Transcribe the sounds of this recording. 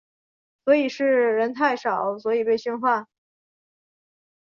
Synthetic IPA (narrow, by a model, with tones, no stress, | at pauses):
swɔ˧˥i˨˩ʂɻ̩˥˩ɻə˧˥nt̪ʰa˥˩ɪʂɑ˨˩˦ʊswɔ˧˥i˨˩pe˥˧ɪɕy˥˧nxwa˥˩n